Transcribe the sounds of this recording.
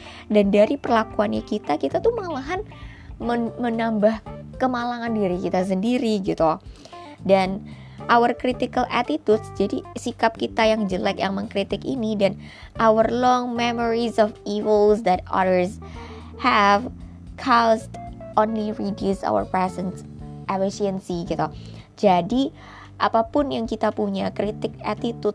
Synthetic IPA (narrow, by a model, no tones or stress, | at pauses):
dandaɾipərlakuanjakit̪akit̪at̪uhməŋlaɦan | məmənambahkəmalaŋandiɾikit̪as̬əndiɾiɡit̪u | dan | ʔawərkɾit̪ikalʔat̪it̪udsd͡ʒadisikap̚kit̪ajaŋd͡ʒəlakjaŋməŋkɾit̪ɪkḭnidan | ʔawərlɔŋmɛmɔɾisɔfivəlsd̪ɛt̪̚ɔ̰ɾərs | hɛv | kʰastonliɾidjusa̰wə̰rpɛsɛns | ʔɛfisiənsiɡit̪u | d͡ʒadi | ʔapapʊnjaŋkit̪apuɲakɾit̪ɪk̚at̪it̪ut̪̚